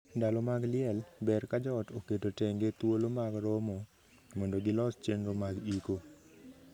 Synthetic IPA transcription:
ndalɔmaɡlɪɛlbɛrkad͡ʒɔtokedotɛŋɡet̪wolomaɡɾɔmɔ | mondoɡɪlɔst͡ʃenɾomaɡiko

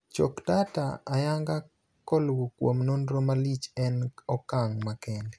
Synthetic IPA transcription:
t͡ʃokdata̰ajaŋɡa | kɔlwokwomnondɾomalit͡ʃɛnɔkaŋmakɛndɛ

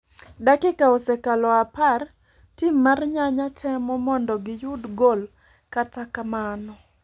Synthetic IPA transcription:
dakɪkaosekalɔapar | timːarɲaɲatʰɛmɔmɔndɔɡɪjʊdɡɔl | katakamanɔ

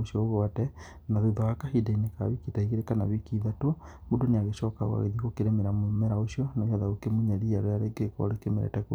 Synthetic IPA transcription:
oʃjɔoɣɔatɛ | naðeðɔakahidaineka̰wikitaiɣeɾekana̰βikiðatwɔ | modoneaɣeʃɔːkawa̰ɣḛðiɣokeɾɛmeɾamɛɾaoʃiɔnaɣeaðaɣokemoɲaɾiaɾɔjaɾeɡekɔ̰ɾekemeɾɛ̰tɛko

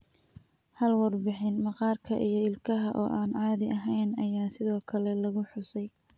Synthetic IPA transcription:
hɐlwɑrbɪħɪnmɑqɑːrkʰɐ̰ʔijɞɪlkʰɐɦɐʔɔ̰ːʔaːnʕɑːðɪɐɦɛjnɐjaːsɪðɔːkʰɐlɛlɐɣʊħʊsɛj

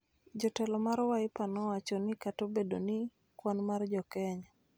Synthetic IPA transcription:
d͡ʒɔtɛlɔmaɾwaɪpanɔwat͡ʃɔnɪkatobedonɪ | kwanmard͡ʒɔkɛɲa

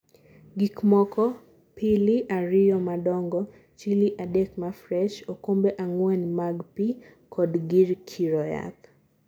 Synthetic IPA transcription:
ɡikmɔkɔ | pʰiliʔaɾɪjɔmadɔŋɡɔ | t͡ʃiliʔadekmafɾɛʃokombeʔaŋwɛnmaɡpi | kʰɔdɡiɾkʰiɾɔja̰k

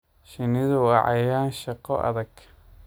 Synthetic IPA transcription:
ʃɪnɪðuɑ̰ʕjaːnʃɑqɔʔɐ̰ðɐɡ

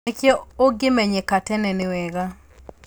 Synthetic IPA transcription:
ekjeoɡɪmɛɲekatɛnɛnɪwɛɡa

